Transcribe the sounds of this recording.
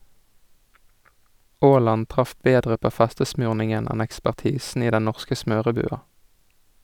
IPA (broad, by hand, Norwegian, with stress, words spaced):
ˈʔoːˌlɑn ˈtʁɑf ˈbeːdʁə ˈpoː ˈfæstəsmʉːʁnɪŋən ˈæn ækspæʁˈtiːsn̩ ˈiː ˈdɛn ˈnɔʁskə ˈsmøːʁəˌbʉːɑ